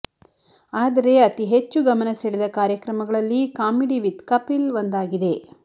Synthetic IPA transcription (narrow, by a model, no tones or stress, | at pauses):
aːd̪ɐɾe̞ɐt̪iɦet͡ʃːuɡɐmɐnɐseɭid̪ɐkaːɾjɐkɾɐmɐɡɐɭɐlːikaːmiɖiʋit̪kɐpilʋond̪aːɡid̪e̞